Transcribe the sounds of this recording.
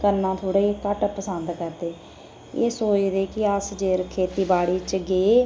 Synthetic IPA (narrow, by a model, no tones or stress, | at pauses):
kəɾnãːt̪ʰoːɽaːiːkəʈpəsənd̪kəɾd̪eː | eːsoːt͡ʃd̪eːkɪəsd͡ʒeːɾkʰeːt̪iːbaːɽiːt͡ʃɡeː